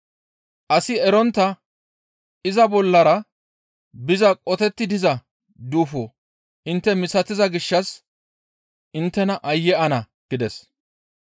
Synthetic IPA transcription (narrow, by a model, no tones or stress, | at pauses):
ʔɐsɪɛɾɔnt̪ːɐ | ɪzɐbɔlːɐɾɐ | bɪzɐkʼɔt̪ɛt̪ːɪd̪ɪzɐ | d̪uːfo | ʔɪnt̪ːɛmɪsɐt̪ɪzɐɡɪʃːɐs | ʔɪnt̪ːɛnɐʔɐjːɛʔɐnɐ | ɡ̥ɪd̪ɛs